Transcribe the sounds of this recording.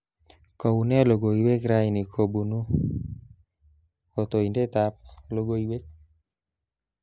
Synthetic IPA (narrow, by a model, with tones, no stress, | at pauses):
ko˨u˨nɛ˦lo˨ɡo˨i˨we˦kɾa˦ini˨kʰo˨bu˨nu˦ | o˨t̪o˨i˨nde˦t̪a˦p̚lo˦ɡo˦i˨we˦k̚